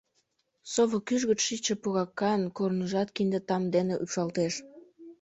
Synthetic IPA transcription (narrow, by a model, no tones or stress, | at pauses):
soβokyʒɣət͡ʃʃit͡ɕĕpuɣɑkːɑnkornəʒɑt̪kind̪et̪ɑmd̪eneʔupʃɑlt̪eʃ